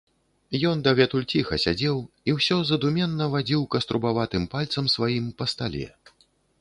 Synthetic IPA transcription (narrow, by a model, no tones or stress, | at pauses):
jɔnd̪ɐvʲɛt̪ulʲt͡sʲixɐsʲad͡zʲɛw | iwsʲɔzɐd̪umʲɛnːɐvad͡zʲiwkɐst̪ɾubavat̪ɨmpalʲt̪sɐmsvajimpɐst̪alʲɛ̰